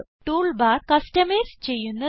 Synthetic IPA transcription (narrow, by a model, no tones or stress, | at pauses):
ʈuːɭbaːɾkɐsʈɐmeɾst͡ɕe̞jːunːɐ